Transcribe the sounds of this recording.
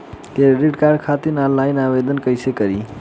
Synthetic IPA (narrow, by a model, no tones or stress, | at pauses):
keɾiʈkaɾɖ̚kʰat̪inalːajnaʋed̪ənkəjsekəɾiː